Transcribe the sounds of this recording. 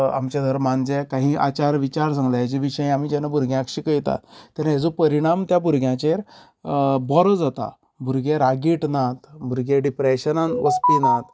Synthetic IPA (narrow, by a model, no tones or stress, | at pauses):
a̰mt͡ɕad̪ʱəɾmand͡zɛkaɦĩːʔa̰t͡ɕaɾʋit͡ɕaɾs̬ãŋɡlad͡ʑiʋiɕəj̃am̤iːd͡ʑɛnabʱuɾɡjãkɕiːkəjt̪a̰t̪ɛnajed͡zopəɾiɽ̃amt̪jabʱuɾɡʱjãt͡ɕeɾ | bɔɾɔd͡zat̪a̰ | bʱuɾɡeɾaɡiːʈnat̪bʱuɾɡeɖipɾeɕənanʋəsp̪inat̪